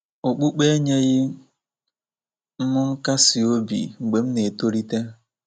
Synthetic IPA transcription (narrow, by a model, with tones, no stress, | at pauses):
o˨k͡pu˦k͡pe˦ɲe˦ɣɪ˦ | m̩˦mʊ˦ŋ̩˦ka˦si˨o˦bḭ˨ŋ͡m̩˨ɡ͡be˨m̩˦ne˨to˦ɾi˦te˦